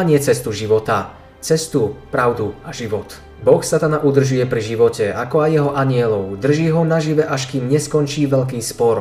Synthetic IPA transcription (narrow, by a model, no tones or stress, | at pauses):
aɲɪɛt͡sɛst̪uʒiʋɔt̪a | t͡sɛst̪upɾaʊd̪uaʒiʋɔt̪ | bɔxsat̪anaʔud̪r̩ʒujɛpɾiʒiʋɔcɛakɔajːɛɦɔʔaɲɪɛlɔʊd̪r̩ʒiːɦɔnaʒiʋɛʔaʃ̬kiːmɲɛskɔnt͡ʃiːʋɛʎk̬iːspɔɾ